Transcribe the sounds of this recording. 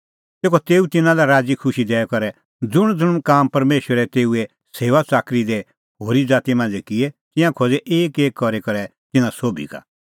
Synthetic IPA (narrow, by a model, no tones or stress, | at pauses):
t̪eːkɔt̪eːut̪ɪnãlɛɾaːd͡zikʰʊʃid̪ɛɛkɔɾɛ | d͡zʊɽ̃d͡zʊɽ̃kaːmpɐɾmeːʃəɾɛt̪eːuɛ | seːʋat͡saːkɾid̪ɛ | hoːɾid͡zaːt̪imãːnd͡zɛkɪɛt̪ɪ̃jãkʰoːd͡zɛʔeːkeːkːɔɾekɐɾɛ | t̪ɪnãsoːbʱḭka̰